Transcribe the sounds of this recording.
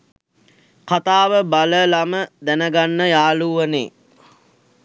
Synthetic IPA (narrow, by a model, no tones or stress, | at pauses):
kat̪aːʋəbaləlaməd̪ænəɡanːəjaːluːʋənḛː